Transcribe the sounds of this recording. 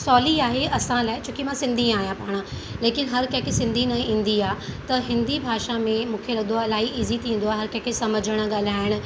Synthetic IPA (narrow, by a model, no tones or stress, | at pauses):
sɔːliaːɦeɐsãlaːɪt͡ɕʰõːkimãsɪ̃nd̪ʱĩaːɦijãpaːɽ̃ã | leːkɪnɦɐɾkɐ̃ːkʰesɪ̃nd̪ʱinɐĩːn̆d̪iaːt̪ɐɦɪ̃nd̪ibʱaːʃamẽmũːkʰeɾɐd̪oɐlaːɦiʔiːzit̪ʰĩːnd̪oaːɦeɦɐɾkɐ̃ːkʰesɐməd͡ʑəɽ̃əɠaːl̤aːɪɽ̃ʊ̆